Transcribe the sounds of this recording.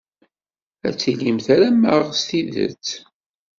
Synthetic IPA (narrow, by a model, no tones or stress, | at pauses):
æ̰t͡sːilimθaɾæməʁst̪iðə̰t͡sː